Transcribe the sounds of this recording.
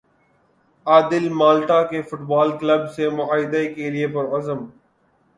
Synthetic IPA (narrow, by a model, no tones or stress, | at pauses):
aːd̪ɪlmaːlʈaːkefʊʈbaːlkləbsemʊaːɦɪd̪aekeliepɐɾɐzəm